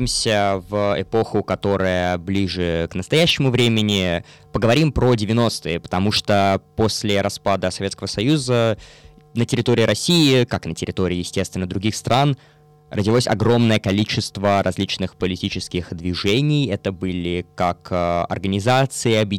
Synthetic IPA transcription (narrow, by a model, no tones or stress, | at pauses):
ɪmsʲəvəɪpo̞xʊkɐt̪o̞ɾəjəblʲiʐɨknəst̪ɐjæɕːɪmʊvɾʲemʲɪnʲɪ | pəɡəvɐɾʲimpɾodʲɪvʲɪno̞st̪ɨjəpə̥t̪ɐmuʂt̪oposʲlʲɪɾɐspad̪əsɐvʲet̪kəvəsɐjuzə | nətʲɪɾʲɪt̪o̞ɾʲɪːɾɐsʲijɪkaknətʲɪɾʲɪt̪o̞ɾʲɪːjɪsʲtʲest̪vʲɪnːəd̪ɾʊɡʲixst̪ɾʔan | rədʲɪlˠosʲɐ̰ɡɾo̞mnəjəkɐlʲit͡ɕɪst̪vəɾɐzʲlʲit͡ɕnɨxpəlʲɪtʲit͡ɕɪskʲɪxd̪vʲɪʐɛnʲɪjɛt̪əbɨlʲɪkakɐ̰rɡənʲɪzat̪sɨɪɐbjɪ